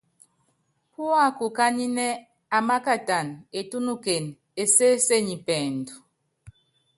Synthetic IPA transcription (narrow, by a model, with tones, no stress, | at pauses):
pu˦a˦˨ku˨ka˦ni˦nɛ˦ | a˨ma˦ka˦˨ta˨ne˨tu˦nu˦ke˨n | e˨se˦se˦˨ɲi˨pɛ˨ndu˨